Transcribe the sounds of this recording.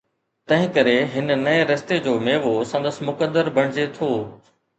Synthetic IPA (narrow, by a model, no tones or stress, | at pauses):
t̪ɐ̃ɦɪ̃kɐɾeɦɪnənɐeɾɐst̪ed͡ʑoːmeːʋosɐ̃nd̪əsmʊkəd̪əɾbʱɐɽ̃ɪd͡ʑet̪ʰoː